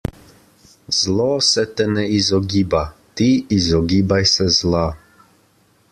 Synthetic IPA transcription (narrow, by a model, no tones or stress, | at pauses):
z̥lɔsɛt̪ɛnɛizɔɡiːbat̪iizɔɡiːbajsɛzla